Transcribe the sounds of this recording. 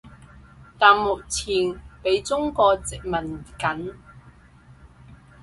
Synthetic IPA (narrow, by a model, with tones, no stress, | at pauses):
t̪aː˨nmʊ˨k̚t͡sʰiː˨˩npe˨˧˥jt͡sʊ˥ŋkɔː˧t͡sɪ˨k̚mɐ˨˩nkɐ˨˥n